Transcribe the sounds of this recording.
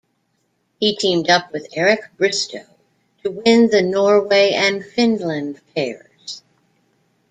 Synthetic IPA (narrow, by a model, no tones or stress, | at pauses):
hitʰĩmdʌp̚wɨðɛɹɨk̚b̥ɹɪstʰoʊ | ɾʰɨwɪ̃nðɨnɔɹweɪʔɨ̃nfɪ̃nlɨ̃npʰɛɪə˞z̥